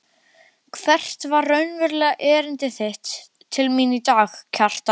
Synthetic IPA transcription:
kʰvɛr̥t̪varːœɥnvɛɾlɛːɣaʔɛːɾɪnt̪ɪθɪht̪ʰː | ɪlminit̪aːxcʰar̥t̪a

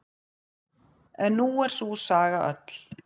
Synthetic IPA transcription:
ɛnːuɛɾ̥susaːɣaʔœ̰t̪l̥

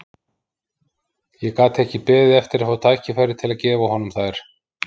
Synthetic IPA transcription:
jɛkaːt̪ɛhcɪpɛːðɪɛft̪ɪɾafawt̪ʰaːjhcɪfajɾːɪt̪ʰɪlaðcɛːvawhɔnʏmθaɛɾ̥

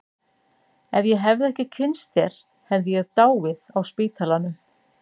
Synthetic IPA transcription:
ɛvjɛɦɛvðɪɛhcɪcʰɪnst̪θɛɾ̥ | hɛvðɪjɛɣt̪aːwvɪðawspɪːt̪ʰalanʏ

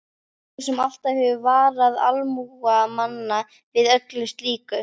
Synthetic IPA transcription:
sɛmal̥t̪avhɛvʏvaːɾaða̰lmuɣamanːa | vɪðœklʏst̪liːkʏ

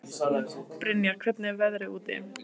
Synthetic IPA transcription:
pɾɪnjakʰɾʏt̪nɪvɛðɾɪuːt̪ɪ̰

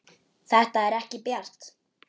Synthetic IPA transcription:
θɛht̪aɛɾɛhcɪpjɛr̥t̪

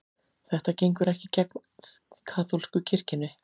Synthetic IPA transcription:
θɛht̪acejŋkʏɾɛhcɪcɛkn | kʰaːt̪ʰolskʏcʰɪr̥cɪnːʏ

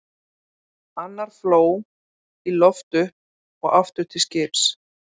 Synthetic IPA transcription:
anːaɾ̥floːw | ilɔft̪ʏh | ɔɣaft̪ʏht̪ʰɪscɪɾs

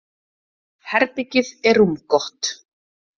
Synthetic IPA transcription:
hɛɾpɪcɪðɛɾumkɔht̪

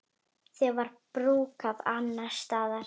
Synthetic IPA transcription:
θɛɣvaɾpɾuːkaðanːḁst̪aːðaɾ̥

